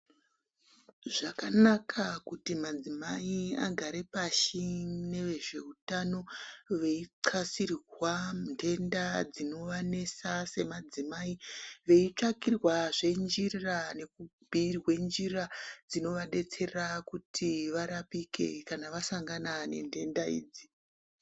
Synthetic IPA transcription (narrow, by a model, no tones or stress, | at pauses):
ʐakanakʰakutimad͡zimaia̰ɡʱaɾe̞paʃine̞ʋe̞ʐe̞utano̞ʋeiǀʰasirrwandʰe̞ndad͡zino̞ʋane̞sase̞mad͡zimaiʋe̞it͡ʂakirwaʐe̞nd͡ʒirane̞kubʱirwe̞nd͡ʒirad͡zino̞ʋaɗe̞t͡se̞rakutʰiʋaɾapike̞̰kanaʋasaŋɡanane̞̰nde̞ndaḭːd͡zi